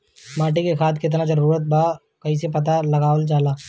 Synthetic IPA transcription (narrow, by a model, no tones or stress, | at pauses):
maːʈikekʰaːd̪kiɪt̪nad͡ʒɐɾuːɾət̪̚baː | kɐɦisepɐt̪alɐɡaːolt͡ʃaːlaː